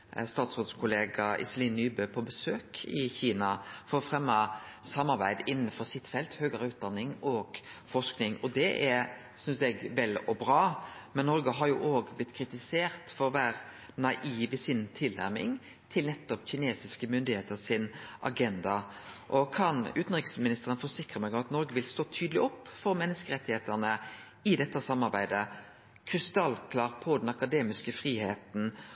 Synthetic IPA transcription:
st̪ɑːt̪sɾoːd̪skʰʊleːɡɑɪ̰sliːnːyːbøːpʰɔbəsøːkʰɪçiːnɑfɔɾɔfɾɛmːɑsɑmːɑɾbæɪd̪ɪnːənfɔɾsɪt̪fɛlt̪høːɡɑɾəʉːt̪̚d̪ɑnːɪŋɔɡ̥fɔʂknɪŋɔd̪ɛʔæɾ | sʏnsɛɡʋɛlɔbɾɑːmɛnːɔɾɡəɦɑɾjʊʔoːɡblɪt̪ːkʰɾɪt̪ɪseːɾt̪fɔɾɔʋæːɾ | nɑʔiːʋɪsɪnt̪ʰɪlnæ̰ɾmɪ̰ŋ | t̪ʰɪlnɛt̪ːɔpçɪneːsɪskəmʏnd̪ɪheːt̪əsɪnʔɑ̰ɡɛnd̪ɑʔɔkʰɑnʉːt̪n̩ʁɪksmɪnɪst̪əʁənfɔʁsɪkʁəmɛɡɑɑt̪nɔɾɡəʋɪlst̪oːt̪ʰyːd̪lɪɔpːfɔɾmɛnːəskəʁɛt̪ːɪheːt̪əʁnə | ɪd̪ɛt̪ːəsɑmːɑɾbæɪd̪ə | kʰɾɪst̪ɑlkʰlɑːʁpʰɔd̪ɛnɑkɑd̪eːmɪskəfʁiːheːt̪n̩

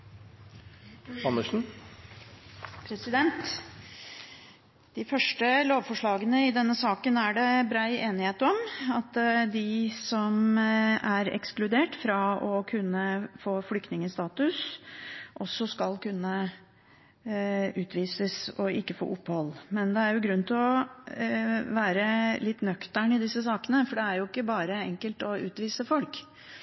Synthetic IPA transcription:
ɑnːəʂn̩ | pʰɾɛsɪd̪ɛnt̪ | d̪ɪfœʂʈəloːʋfɔʂɭɑːɡənəɪd̪ɛnːəsɑːkənæɖɛbɾæɪʔeːnɪheːt̪ɔmɑt̪d̪ɪsɔm | æɾɛ̰ksklʉd̪eːʈfɾɑɔkʰʉnːəfoːflʏkt̪nɪŋəst̪ɑːt̪ʉs | ʔɔsːɔskɑlkʉnːə | ʉːt̪ʋiːsəsɔɪkːəfo̰ːʔʊpːəhɔlːmɛnd̪ɛæɾjʊɡɾʉnt̪ʰɪlɔ | ʋæːɾəlɪt̪ːnœkt̪əɳɪd̪ɪsːəsɑːkənəfɔɖɛæɾjʊɪkːəbɑːɾəɛŋkəlt̪ɔʉ̰ːt̪ʋiːsəfɔlk

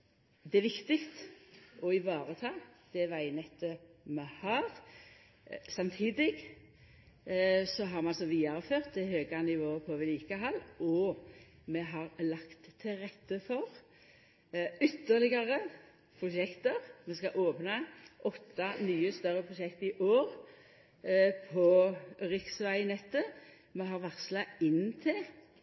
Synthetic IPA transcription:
d̪ɛæʋɪkt̪ɪkt̪ɔɪʋɑːɾət̪ʰɑːd̪̥ɛʋæɪnɛt̪ːəmɛhɑːʁ | sɑmt̪ʰiːd̪ɪɡ | sɔɦɑɾmɛɑlsɔʋiːɑɾəføːʁt̪̚d̪ɛhøːɡɑnɪʋoːəpʰɔʋɪliːkəɦɑlːɔ | mɛɦɑʁlɑkt̪ʰːɪlɾɛt̪ːəfɔʁ | ʏt̪ːəʁlɪɡɑʁə | pʰɾʊʃɛkt̪əʁmɛskɑʔoːpnɑʔɔt̪ːɑnyːəst̪œʁəpʰʁʊʃɛkt̪ɪʔoːʁ | pʰɔʁɪksʋæɪnɛt̪ːə | mɛɦɑʁʋɑʁslɑɪnːt̪ʰɪl

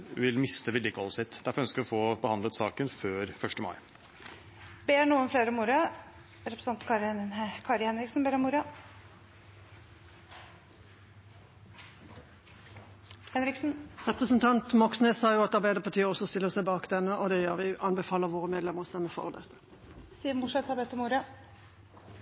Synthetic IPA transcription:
ʋɪlmɪst̪əʋɪld̪ɪkːɔ̰lsɪt̪ːd̪æɾfɔɾœnskəɾʋɔfoːbəhɑnd̪lət̪sɑːkənføːɾfœʂʈəmɑ̰ɪ | beːɳuːənfleːɾɔmːuɾɑ | ɾɛpɾəsɑnt̪kʰɑɾkʰɑɾɪhɛnɾɪksn̩beːɾɔmʊɾɑ | hɛnɾɪksn̩ʁɛpʁəsənt̪ʰɑnt̪mɔksneːsɑːjʊɑt̪ɑʁbæɪd̪əpʰɑʁt̪ʰiːəɔsɔst̪ɪlːəʁsæɪbɑːkd̪ɛnːəʔɔd̪ɛjøːʁʋɪʔɑnbɛfɑːləʁʋoːʁəmeːd̪lɛməʁst̪ɛməfɔ̰ʁd̪ɛt̪ːə̥ | siːəmʊʂɛt̪hɑɾbɛt̪ːɔmuːɾɑ

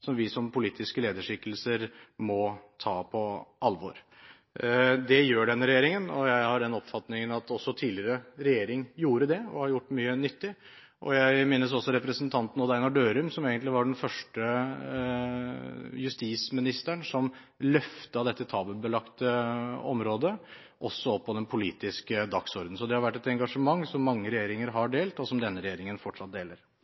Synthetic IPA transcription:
sɔmʋɪsɔmpʰʊliːt̪ʰɪskəleːd̪əʂɪkːəlsəɾmɔt̪ʰɑːpʰɔʔɑlʋɔɾ | d̪ɛjøːɖɛnːəɾɛjeːɾɪŋənɔjæɪhɑɖ̪ɛnɔpfɑt̪nɪŋənɑt̪ɔsːɔt̪ʰiːlɪɾəɾɛjeːɾɪŋjuːɾəd̪ɛɔ̰hɑɾjʊʈːmyːənʏt̪ːɪ | ʔɔ̰jæɪmeːnəs̬ɔsːɔɾɛpɾəsnt̪ʰɑnt̪n̩ɔd̪æɪnɑɖøːɾʉmsɔmeːɡənt̪lɪʋɑɖɛnfœʂʈə | jʉst̪iːsmɪnɪst̪æɳsɔm | lœft̪əɑd̪ɛt̪ːət̪ʰɑːbəbəlɑkt̪əɔmɾoːd̪ə | ʔɔsːɔɔpːɔd̪ɛnpʰʊlḭːt̪ɪskəd̪ɑksɔɾd̪n̩sɔd̪ɛhɑɾʋæʈːɛt̪ɛŋɡɑʂəmɑŋːsɔmːɑŋːəɾɛjeːɾɪŋəɾɦɑɖeːlt̪ɔsɔmd̪ɛnːəɾɛjeːɾɪŋənfɔʈʂɑt̪̚d̪eːləɾ

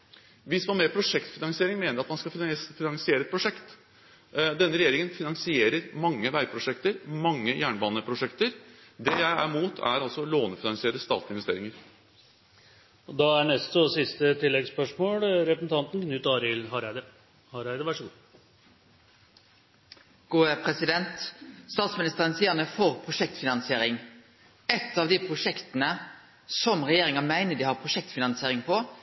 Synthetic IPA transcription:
ʋɪsmɑnmɛpʰɾʊʂɛkt̪fɪnɑŋsɪeːɾɪŋmeːnəɾɑt̪mɑnskɑfɪnɑŋsɪeːɾɛt̪̚pʰɾʊʂɛkt̪ | d̪ɛnːəɾɛjeːɾɪŋənfɪnɑŋsɪeːɾəɾmɑŋːəʋæɪpʰɾʊʂɛkt̪əɾmɑŋːəjæːɳbɑːnəpʰɾʊʂɛkt̪əɾd̪ɛjæɪæɾmuːt̪ʰæ̰ɾɑlsɔloːnəfɪnɑŋsɪeːɾəst̪ɑ̰ːt̪lɪnʋɛst̪eːɾɪŋəɾ | ɔd̪ɑæɳɛst̪ɔsɪst̪ət̪ʰɪlːɛɡspœʂmoːlɾɛpɾəsn̩t̪ʰɑnt̪nknʉt̪ɑɾɪlhɑɾd̪ə | hɑɾæɪd̪əɾʋæʂəɡu | ɡ̥uːəpʰʁɛsɪd̪ɛnt̪st̪ɑːt̪smɪnɪst̪əʁənsiənəfoːʁpʰʁʊʂɛkt̪fɪnɑnsɪeːɾɪŋ | ɛt̪ːɑːʋd̪ipʰʁʊʂɛkt̪ənə | sɔmʁɛjeːɾɪŋɑmæɪnəd̪iːhɑʁpʰʁʊʂɛk̚t̪fɪnɑnseːɾɪŋpʰɔ

